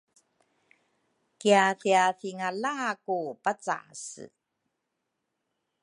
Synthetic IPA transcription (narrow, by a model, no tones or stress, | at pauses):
kiafiaθiŋalaːkupat͡sa̰sɨ̰